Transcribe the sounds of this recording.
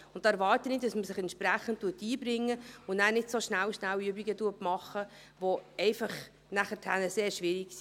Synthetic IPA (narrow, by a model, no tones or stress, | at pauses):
ʊnt̚ːɑːɛɾvɑːɾtənɪd̥ɑsməsɪχɛntt͡ʃpɾæχən̩t̚tːuətːiːbɾɪŋːəʊnæːnɪtsoʃnæwʃnæløbiɡətuətmɑχə | ʋoɛɪfɑχ | næχətʰænəseːɾʃʋɪɾiksi̥